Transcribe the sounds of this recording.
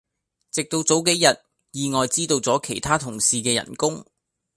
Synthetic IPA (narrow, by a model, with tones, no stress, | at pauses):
t͡sɪ˨k̚t̪o˧wt͡so˨˥wke˨˥jjɐ˨t̚ | jiː˨˧ŋɔː˨jt͡siː˥t̪o˧wt͡sɔː˨˥kʰe˨˩jt̪ʰaː˥t̪ʰʊ˨˩ŋsiː˨kɛː˧jɐ̰˨˩nkʊ˥ŋ